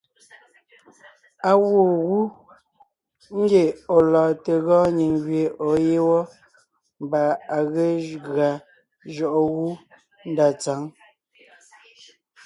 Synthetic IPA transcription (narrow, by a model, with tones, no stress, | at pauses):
a˨wo˨ɣu˦ | ŋ̩˦ɡe˨o˨lɔː˨te˨ɣɔ̃ː˦ɲi˨ŋɡɥe˨ʔo˨˦je˦wɔ˦ | m˦ba˨a˨ɣe˦ɣɰa˨ | ʒɔ˨ʔɔ˨ɣu˦ | n̩˦da˨t͡sa˨˦ŋ